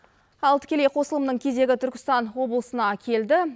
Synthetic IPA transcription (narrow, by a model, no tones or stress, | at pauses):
ɑlˠt̪ʰɪ̥kʲe̞le̞jqʰo̞səlˠəmənəɴkʲʰe̞ze̞ɡʲɪt̪ʰʏɾkʲɪ̥st̪ɑnwo̞blˠəsənɑkʲʰe̞ld̪ɪ